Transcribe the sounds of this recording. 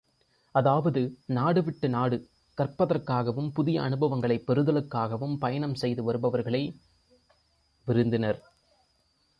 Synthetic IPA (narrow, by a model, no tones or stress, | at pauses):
ʔɐðaːʋɐðɯnaːɽɯʋɪʈːɯnaːɽɯ | kɐrpɐðɐrkaːɣɐʋɯmpʊðɪjɐ̰ʔɐnɯbɐʋɐŋɡɐɭɐɪpːɛɾɯðɐlɯkːaːɣɐʋɯmpɐjɐɳɐmsɛjðɯʋɐɾɯbɐʋɐɾɣɐɭɐɪ | ʋɪɾɯnd̪ɪnɐɾ